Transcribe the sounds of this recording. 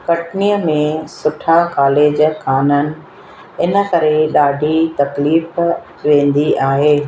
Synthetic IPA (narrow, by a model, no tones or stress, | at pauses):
kɐʈnijəmẽsʊʈʰakaːleːd͡ʑkʰaːnənɪ̆ | ɪnə̆kɐɾeɗaːɖʱit̪ɐkliːf | ʋẽːn̆d̪iʔaːɦeː